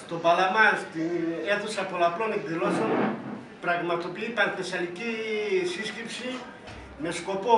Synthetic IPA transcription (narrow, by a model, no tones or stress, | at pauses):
st̪o̞bɐlamɐst̪ie̞θusɐpolaplo̞nekðilo̞son | pɾɐɣmɐt̪o̞piipɐɾθesɐlicisiscipsi | me̞sko̞po